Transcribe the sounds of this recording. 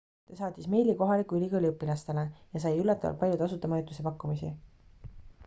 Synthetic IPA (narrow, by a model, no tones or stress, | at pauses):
sesɑːt̪ʲismejliko̞ɦɑlikːˑuylʲikɤlʲiɤpːilɑst̪e̞le̞jɑs̬ɑjylːɑt̪ːˑɑvɑ̰lt̪̚pɑljud̪ɑsut̪ːˑemɑjut̪ːˑuse̞pɑkːumisḭ